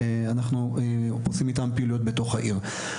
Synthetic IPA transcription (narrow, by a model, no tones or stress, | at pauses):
anaχnuepot͡simit̪ampeilujot̪̚be̞to̞χhaʔiʁ